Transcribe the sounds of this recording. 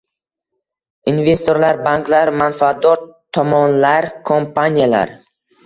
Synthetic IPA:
inve̞st̪ʰoɾlaɾbaŋklaɾmanfaat̪̚d̪ɒɾt̪ʰɒmɒnlaɾkʰompʰanijala̰ɾ

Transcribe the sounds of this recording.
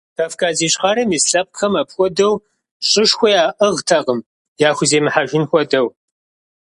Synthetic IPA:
tʰafkʰʼaːziːɕʼχɑɾɐmisɬɐp̚xɐmɐpxʷɔdɐw | ɕʼɪʂxʷɔjaːʔəʁtʰɐqəm | jaːxʷʊzeːmɨħaʒɪnxʷɔdɐw

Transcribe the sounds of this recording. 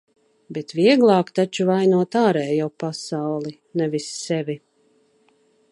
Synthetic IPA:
bet̪viɛɡlˠɑːkt̪at͡ʃuvajnuɔt̪aːɾɛjjawpasawlˠi | nɛvisːɛvʲi

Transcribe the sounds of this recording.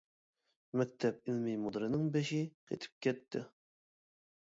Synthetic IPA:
mɛk̚ʲt̪ʰɛp̚ɪlmimud̪ɨɾɨnɪŋbeʃɪqʰḛt̪ʰɪ̥p̚kʲʰɛt̪ʰːɪ

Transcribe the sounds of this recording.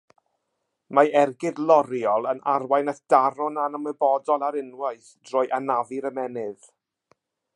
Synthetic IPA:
maɛrɡɪdlˠɔɾiɔlˠənarwajnaθd̥aɾɔnanəmɛbɔdɔlˠaɾɪnwaɨθd̥rɔːjʔanaviɾəmɛnɨð

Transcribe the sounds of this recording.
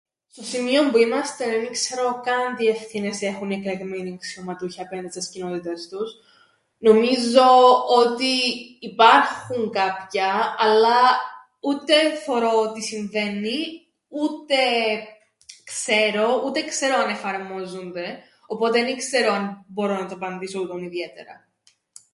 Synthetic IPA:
st̪o̞simio̞mbuimɐst̪e̞enikse̞ɾo̞kɐnd̪ie̞fθine̞se̞xuniekleɣmeniksiomɐt̪uçɐpend̪isɐscino̞t̪it̪ɐst̪us | no̞mizo̞ot̪iːpɐɾxuŋkɐpçɐɐlːɐ | ut̪e̞θeɾo̞ot̪isiɱve̞ni | ut̪e̞ | kse̞ɾo̞ut̪e̞kse̞ɾo̞ɐne̞fɐɾmo̞zund̪e̞ | opo̞t̪eɐnikse̞ɾoɐnbo̞ɾo̞nɐt̪oɐpɐnd̪isout̪oniðie̞t̪e̞̰ɾɐ̰

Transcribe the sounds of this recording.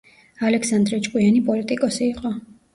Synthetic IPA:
alɛkʰsand̪ɾɛt͡ʃʼkʼwianipʼɔlit̪ʼikʼɔsiːqʼɔ

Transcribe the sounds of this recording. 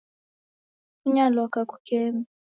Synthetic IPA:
uɲalɔkaku̥kɛːmi

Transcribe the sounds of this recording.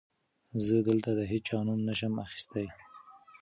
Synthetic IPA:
zəd̪əlt̪ad̪əɦeɑnumnəʃəmaxi̥st̪aj

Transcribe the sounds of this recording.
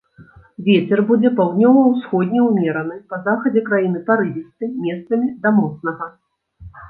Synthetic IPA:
vʲɛt͡sʲɛrbud͡zʲɛpawd̪nʲɔvɐwsxɔd̪ʲnʲɛwmʲɛɾɐnɨpɐzaxɐd͡zʲɛkɾajin̪ɨpaɾɨvʲist̪ɨmʲɛst̪sɐmʲid̪ɐmɔt̪snɐɣɐ

